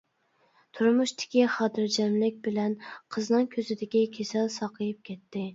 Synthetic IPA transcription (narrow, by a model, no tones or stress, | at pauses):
t̪ʰuɾmuʃt̪ʰɪ̥kʲiχɑt̪ʰɨɾd͡ʒɛmlɪk̚ʲbɪlɛnqʰəznɨŋkʲʰøzɪd̪ɪkʲikʲʰesɛlsɑqʰəjɪp̚kʲʰɛt̪ʰːɪ